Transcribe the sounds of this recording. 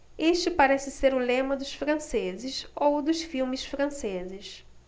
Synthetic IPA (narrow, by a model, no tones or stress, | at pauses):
eʃt͡ʃɪpaɾɛsɪseɾʊlẽmɐd̪ʊʃfɾɐ̃sezɪʃowd̪ʊʃfiwmɪsfɾɐ̃sezɪʃ